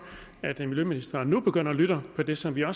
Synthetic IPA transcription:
æd̥miljøminisd̥ɐnub̥e̝ɡ̥øn̰ɐɒlyɾ̥ɐpʰɒ̽d̥e̝sɒ̽mʋiɒ̽s

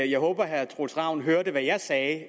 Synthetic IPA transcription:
jɑ̈ɪɦɔːb̥ɐɦæɐt͡sʰʁolsʁɑ̈ʊn̩ɦøːɐdəʋæjɑɪsɛː

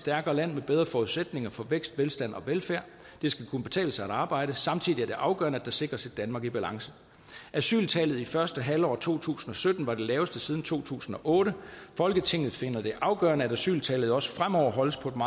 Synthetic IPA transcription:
sd̥æɐɡ̥ɐːlæn̰meb̥eðˠʁɐfɒːuðˠsed̥ne̝ŋɐfɒ̽ʋeɡ̥sd̥ʋelsd̥æn̰ɒ̽ʋelfæɐ̰ | d̥e̝sɡ̥ækʰunəb̥e̝t͡sʰɛ̰ːləsɑ̈æɾ̥ɑ̈ːb̥ɑ̈ɪ̰ɾ̥əsɑ̈mt͡sʰið̰ˠiæɐd̥e̝ʔɑ̈ʊɡ̥ɶɐnəæd̥ɑ̈se̝ɡ̥ʁɐsi̥ænmɑ̈ːɡ̥ib̥ælɑ̈ŋsə | æsy̰ːlt͡sʰɛːlð̞̩ˠifɶɐsd̥əɦælɒ̰ːt͡sʰo̝̰ːt͡sʰṵːsn̩ɒ̽sød̥n̩ʋɑ̈d̥e̝lɛːʊəsd̥əsiːð̞ˠn̩t͡sʰo̝̰ːt͡sʰṵːsn̩ɒ̽ʔɔ̽ːɾəfɒ̽lɡ̥ət͡sʰe̝ŋ̰ð̞̩ˠfe̝nðˠd̥e̝ʔɑ̈ʊɡ̥ɶɐnəæd̥æsy̰ːlt͡sʰɛ̰ːlð̞̩ˠɒ̽sə̥fʁamɒʊ̰ɐɦɒ̽l̰əspʰɒ̽e̝dmɑ̈ː

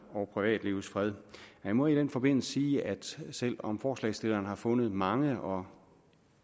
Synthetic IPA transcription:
ɒʊpʰʁiʋɛ̰ːd̥liʊ̰sfʁɛð̞ˠhæmɒid̥enfɒ̽b̥e̝n̰l̩sə̥siːæd̥sel̰ɒ̽mfɒːslɛ̰ɪsd̥e̝lɐːnhɑ̈fɔ̽nð̞̩ˠmɑ̈ŋəʔɒ̽

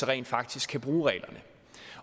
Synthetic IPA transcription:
əʁɛ̰ɪ̰nd̥fɑ̈ɡ̥̚d̥isɡ̥kʰːæb̥ʁuːʁɛ̰ːlɐnə

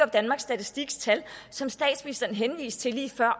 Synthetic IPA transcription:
ɒ̽b̥d̥ænmɑ̈ɡsːd̥æt͡sʰisd̥iɡ̥st͡sʰælsɒ̽msd̥ɛ̰ːd̥sminisd̥ɐnəɦenʋḭːst͡sʰe̝liːfɶɐ̰

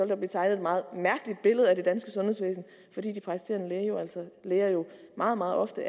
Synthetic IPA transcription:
ɒ̽l̰d̥ɑb̥liːt͡sʰɑ̈ɪnð̩emɑ̈ːð̩ˠmæɐɡ̥əlid̥̚b̥e̝ləð̞̩ˠæd̥e̝d̥ænsɡ̥əsɔ̽nhe̝̰sʋḛːsn̩ | fɒ̽d̥ḭːd̥ipʰʁɑisi̥d̥eɐnəjoælsɒleːɐjo̝mɑ̈ːð̩ˠmɑ̈ːð̞̩ˠʔɒ̽fd̥ə

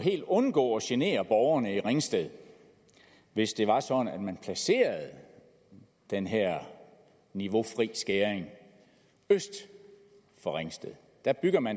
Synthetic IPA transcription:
ɦe̝̰ːld̥ɔ̽nɡ̥ɔ̰ːɒ̽ɕene̝̰ːɐb̥ɒʊɐnəiʁeŋsd̥eð̞ˠ | ʋe̝sd̥e̝ʋɑ̈sɒ̽d̥n̩æd̥mænpʰlæse̝̰ːɐð̞̩ˠ | d̥enɦeɐ̰ | niʋo̝fʁḭːsɡ̥eːeŋ | øsd̥ | fɒ̽ʁeŋsd̥eðˠ | d̥æb̥yɡ̥mæn

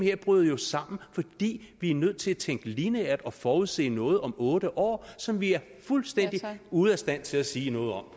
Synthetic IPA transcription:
he̝ɐ̰b̥ʁyðˠjo̝sɑ̈m̰n̩fɒ̽d̥ḭːʋiæɐnøð̞̰ˠt͡sʰe̝læt͡sʰeŋ̰ɡ̥əliːnəæɐd̥ɒ̽fɒːuðˠse̝̰ːnɔ̽ːð̞̩ˠɒ̽mɔ̽ːɾ̥əʔɒ̰ːsɒ̽mʋiæɐ | fulsd̥en̰d̥iuð̩ˠæsd̥æn̰t͡sʰe̝læsiːnɔ̽ːð̩ˠɒ̽m

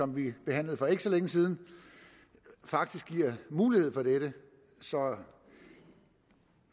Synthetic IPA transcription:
sɒ̽mʋib̥e̝ɦæn̰ləð̞̩ˠfɒ̽e̝ɡ̥sɒ̽leŋəsiːð̞ˠn̩ | fɑ̈ɡ̥̚d̥isɡ̥iɐ̰muːlih̝ˠfɒ̽d̥eɾ̥ə | sɒ̽

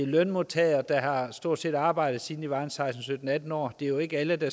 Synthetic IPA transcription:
elœnmo̝t͡sʰɛɐd̥ɑ̈ɦɑ̈sd̥o̝ɐ̰d̥se̝̰ːd̥ɑ̈ːb̥ɑ̈ɪ̰dð̩ˠsiːn̩iʋɑ̈ɪn̩sɑ̈ɪsn̩sød̥n̩æd̥n̩ɒ̰ːd̥e̝ɐjo̝e̝ɡ̥əæləd̥ɑ̈

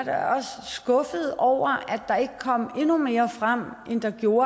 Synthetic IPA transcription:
ɾ̥ɑɒ̽ssɡ̥ɔ̽fəð̞̩ˠɒʊ̰ɐæd̥ɑ̈e̝ɡ̥əkʰɒ̽m̰e̝nume̝ːɐfʁam̰ʔend̥ɑ̈ɡ̥jo̝ːɐ

